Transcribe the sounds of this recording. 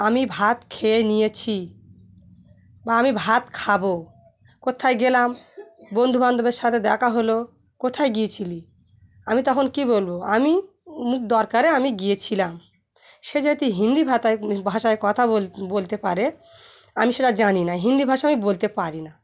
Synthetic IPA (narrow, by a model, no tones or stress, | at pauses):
amibʱat̪kʰeenijet͡ɕʰi | baamibʱat̪kʰabo | kot̪ʰajɡelambond̪ʱuband̪ʱobeɾʃat̪ʰed̪ɛkʰaɦolo | kot̪ʰajɡiet͡ɕʰili | amit̪ɔkʰonkibolboami | mukd̪ɔɾkaɾeamiɡiet͡ɕʰilam | ʃed͡ʑat̪iɦind̪ibʱat̪aebʱaʃaekɔt̪ʰaolbolt̪epaɾe | amiʃeʈad͡ʑaninaɦind̪ibʱaʃaamibolt̪epaɾina